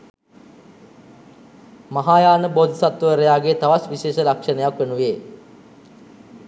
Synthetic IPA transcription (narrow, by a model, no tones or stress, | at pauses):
maɦaːjaːnəbod̪ʱsat̪ʋəʋəɾəjaːɡet̪aʋasʋiʃeːʃəlakʂənəjakʋenuʋeː